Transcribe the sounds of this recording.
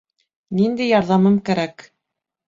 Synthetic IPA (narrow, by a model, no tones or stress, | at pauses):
nind̪æjɑɾðɑmɤmkæɾæk